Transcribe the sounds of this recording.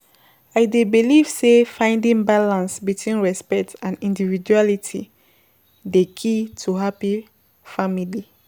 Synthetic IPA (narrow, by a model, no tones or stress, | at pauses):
aɪdebiliv̥sefãɪ̃ndĩŋbalãnsbitʰwĩnɹɛspɛk̚tãnĩndivid͡ʒualitʰḭ | dekʰitʰuɦapi | famili